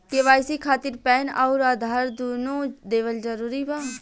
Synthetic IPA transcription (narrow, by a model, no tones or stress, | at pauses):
keʋaːjsikʰaːt̪ɪɾpɛːnaʊɾaːd̪ʱaːɾd̪uːnõːd̪eːʋəld͡ʒəɾuːɾibaː